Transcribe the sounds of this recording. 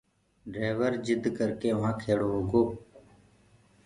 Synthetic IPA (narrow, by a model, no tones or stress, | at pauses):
ɖɾeːʋəɾd͡ʒɪd̪ʱkəɾkeːʋɦãːkʰeːɽoːɦoːɡoː